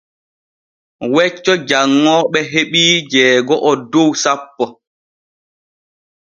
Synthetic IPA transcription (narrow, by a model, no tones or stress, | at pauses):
wɛt͡ʃːɔd͡ʒaŋːɔːɓɛɦeɓiːd͡ʒɛːɡɔʔɔdowsapːɔ